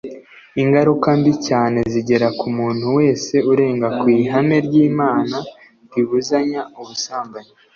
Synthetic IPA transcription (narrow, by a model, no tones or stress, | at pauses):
iŋɡaɾukambicaːne̞ziɟe̞ɾakumuːn̥huwe̞ːse̞uɾe̞ːŋɡakwiːɦame̞ɾɟiːmaːna | ɾiβuzaɲauβusaːmbaɲi